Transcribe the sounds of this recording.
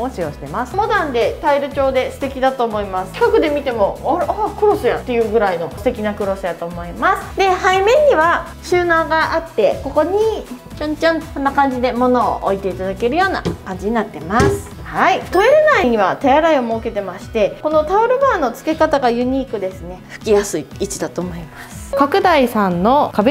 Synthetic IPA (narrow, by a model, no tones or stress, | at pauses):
oɕio̞ɕi̥t̪e̞masɨ̥mo̞d̪ãnd̪e̞t̪aiɾɯ̟t͡ɕo̞ːd̪e̞sɨ̥t̪e̞kʲid̪at̪o̞ːmo̞imasɨ̥kakɯ̟d̪e̞mʲit̪e̞mo̞aɾkɯ̟ɾo̞sɨjã̰nt̪ːe̞jɯ̟ɡɯ̟ɾaino̞sɨ̥t̪e̞kʲinakɯ̟ɾo̞sɨjat̪o̞ːmo̞imasɨ̥d̪e̞haimẽ̞ɲ̟ːiβa | ɕɨːnaɡaʔat̪ːe̞ko̞ko̞ɲ̟i | t͡ɕõɲt͡ɕõnsõnːakãɲ̟d͡ʑid̪e̞mo̞no̞̰ːʔo̰it̪e̞it̪ad̪ake̞ɾɯ̟jo̞ːna̰kãɲ̟d͡ʑiɲ̟inat̪ːe̞masɨ̥ | hait̪o̞e̞ɾenaiɲ̟iβat̪ajaɾaiomo̞ːke̞t̪e̞maɕi̥t̪e̞ko̞no̞t̪aoɾɯ̟baːno̞t͡sɨ̥ke̞kat̪aɡajɯ̟ɲ̟iːkɯ̟d̪e̞sɨne̞ɸɯ̟̥kʲijasɨiːt͡ɕid̪at̪o̞ːmo̞imasɨ̥kakɯ̟d̪aisãnːo̞kabe